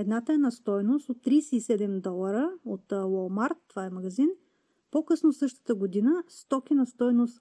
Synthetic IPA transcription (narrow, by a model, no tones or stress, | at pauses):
ɛd̪nat̪əɛnɐst̪ɔjnost̪ot̪ːɾijsɛisɛd̪ɛmd̪ɔlˠɐɾəot̪lˠɔlˠmaɾt̪ːovaɛmɐɡɐzin | pokɤsnosɤʃt̪ə̥t̪əɡod̪inəst̪ɔkʲinɐst̪ɔjnost̪